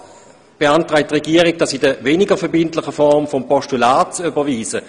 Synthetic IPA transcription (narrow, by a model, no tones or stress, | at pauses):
b̥eantʁaɪtʁɛɡiːɐʁɪɡ̚d̥asidəveːnɪɡəfɛɐbɪntlɪχəfɔʁmfɔmpɔʃtulaːtt͡sybɐviːzə